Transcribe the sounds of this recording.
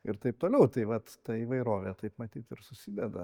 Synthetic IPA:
ɪɾt̪ɐɪp̚t̪oːlʲɛʊt̪ɐɪʋɐt̪t̪ɐiːʋɐɪɾoːʋʲet̪ɐɪpmɐt̪ʲiːt̪ɪɾsʊsʲiːd̪ʲɛd̪ɐ

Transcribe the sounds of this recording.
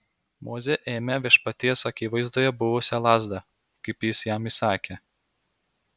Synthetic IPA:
mʔoːzʲeʔeːmʲɛʋʲiɛʃpɐt̪ʲiɛsɐkʲiːʋɐɪzd̪oːjɛbʊʋʊsʲɛlˠɑːzd̪ɐ | kɐɪpjɪsjæmisɑːkʲe

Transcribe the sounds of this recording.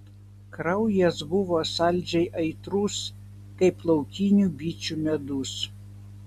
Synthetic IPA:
kɾɐʊjɛsbʊʋoːsɑˑlʲˑd͡ʒʲɛɪʔɐɪt̪ɾus | kɐɪplˠɐʊkʲinʲuˑbʲiːt͡ʃʲumʲɛd̪ʊs

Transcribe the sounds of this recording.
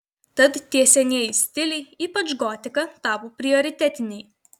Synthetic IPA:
t̪ɐt̪t̪ʲːiɛsʲɛnʲiɛjsʲt̪ʲɪlʲɛɪiːpɐt͡ʃɡɔːt̪ʲɪkɐt̪ɑːpopʲɾʲɪɔɾʲɪt̪ʲɛt̪ʲɪnʲɛɪ

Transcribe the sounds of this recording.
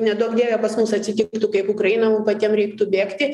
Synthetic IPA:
nʲɛd̪okd̪ʲiːʋʲɛpɐsmʊsɐtʲsʲɪt̪ʲɪkt̪ʊkɐɪpʊkɾɐɪnɐmupɐt̪ʲɛmɾʲɛɪkt̪ʊbʲeːkt̪ʲɪ

